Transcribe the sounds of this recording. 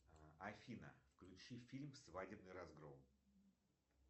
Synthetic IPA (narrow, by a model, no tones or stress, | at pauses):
ɐfʲinə̰fklʲʉt͡ɕifʲilʲmfsvadʲɪbnɨjɾɐzɡɾom